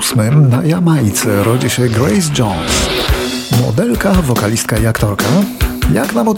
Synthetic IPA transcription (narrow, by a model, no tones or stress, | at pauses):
smɘmnajamajt̪sɛɾɔd͡ʑiɕɛɡɾɛjz̬d͡ʒɔns | mɔ̰d̪ɛlkavɔkalʲist̪kaiakt̪ɔɾkaja̰knamɔd̪